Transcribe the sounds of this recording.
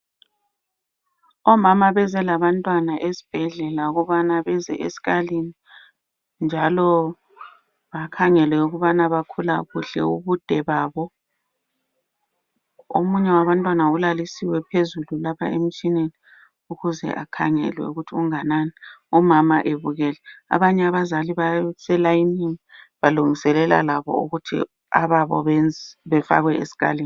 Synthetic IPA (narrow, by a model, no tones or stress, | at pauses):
ɔmamaβɛzɛlaβantʼwanaʔezi̥b̥ʱɛɮɛlauɣuβanaβɛzɛ̰ʔḛsi̥ɣalini | nd͡ʒʱalɔ | βakʰaŋɛlwɛuɣuβanaβakʰulaɣuɬɛ̰uβud̥ʱɛβaːβɔ | o̰muɲɛwaβantʼwanaulalisiwɛpʰezululapʰa̰em̩t͡ʃʼineni | uɣuzɛ̰ʔakʰa̰ŋɛ̰lwɛ̰uɣutʰiuŋananɛɔmamaʔeβuɣɛlɛa̰βaɲɛaβazaliβasɛlainiŋi | βaluŋisɛlɛla̰laβɔ̰ṵɣutʰḭ | a̰βaβɔ̰βɛnβɛfa̰ɣwɛʔesi̥ɣa̰li